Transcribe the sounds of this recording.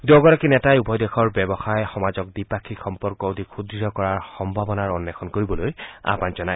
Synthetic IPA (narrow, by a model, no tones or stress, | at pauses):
dɔɡɔɹakinɛtajubʱɔjdexɔɹbɛbɔxajxɔmazɔk̚dipakʰixɔmpɔɹkɔudʱikkʰudɹiɔkɔɹaɹxɔmbʱabɔnaɹɔnːɛkʰɔnkoɹibɔloja̰panzɔnaj